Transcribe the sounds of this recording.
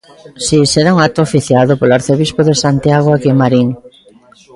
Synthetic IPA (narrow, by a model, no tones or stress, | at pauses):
siseɾauŋat̪ʊafiθjaðʊpoloaɾθeβispoðesant̪iaɣwakemaɾiŋ